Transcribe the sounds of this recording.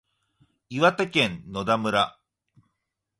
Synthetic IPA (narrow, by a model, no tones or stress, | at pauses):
iβat̪ekẽ̞nno̞d̪amɯ̟ɾa